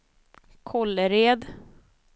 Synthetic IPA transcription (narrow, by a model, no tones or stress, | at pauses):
kʰɔlːəɾeːd̪